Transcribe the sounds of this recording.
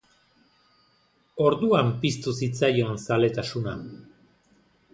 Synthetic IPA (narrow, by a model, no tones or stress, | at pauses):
o̞ɾðuampist̪usit͡sajo̞ensale̞t̪asuna